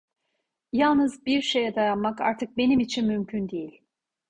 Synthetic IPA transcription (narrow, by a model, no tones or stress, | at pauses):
jalˠnɯzbiɾʃe̞jɛd̪ajanmaka̰ɾt̪ʰɯk̚be̞nimit͡ʃʰinmymcʰynd̪ejilʲ